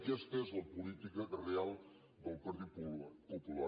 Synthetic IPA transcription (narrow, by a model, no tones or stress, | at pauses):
kɛst̪əezləpulit̪ikərealˠ | d̪əlˠpəɾtipupula